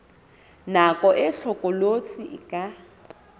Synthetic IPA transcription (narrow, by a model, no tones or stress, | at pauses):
nakʼɔʔɪɬɔkʼɔlot͡sʼiʔɪkʼa